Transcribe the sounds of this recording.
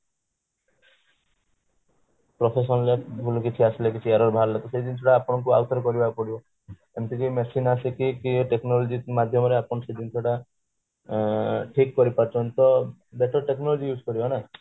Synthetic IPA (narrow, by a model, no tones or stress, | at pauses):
pɾɔpʰes̬ɔnlebʱulukit͡ʃʰiasilekit͡ʃʰieɾɔɾbʱaɾlet̪ɔseɦd̪int̪ʰoɽaːpɔɽ̃ɔŋkua̰wt̪ɔɾɔkɔɾibakɔpɔɽibɔ | emt̪ʰikimesinasikikiʈeknɔlɔd͡ʒimad̪ʱjɔmɔɾeapɔɽ̃ɔsed̪int̪ʰɔɽa | ʈʰikːɔɾipaɾt͡ʃʰɔnt̪ɔbeʈɔʈeknɔlɔd͡ʒijud͡ʒkɔɾibana